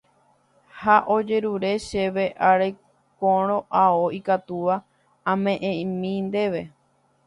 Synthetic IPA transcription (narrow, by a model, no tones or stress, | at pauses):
haʔo̞d͡ʒe̞ɾuɾe̞ʃe̞ʋeʔaɾe | kõɾ̃õ̞ʔaoikat̪uʋa | ãmẽ̞ʔẽmĩnd̪e̞ʋe̞